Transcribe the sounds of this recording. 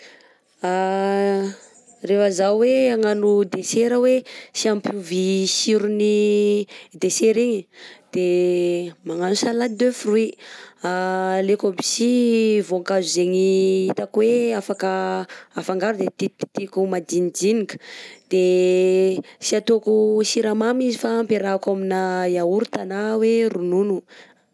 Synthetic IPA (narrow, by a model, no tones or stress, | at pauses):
a | refəzaweaŋanud̪eseɾəwesiampuvisiɾuni | d̪eseɾiɲid̪̥e | maŋanusalad̪øfruialekobi̥sivoŋkazuzeŋiit̪akweafakəafaŋɡaɾud̪et̪it̪i̥t̪ikumad̪inid͡ʒinikə̥d̪̥e | siat̪okusiɾamamizifaːmpeɾakaminajauɾut̪anawerununu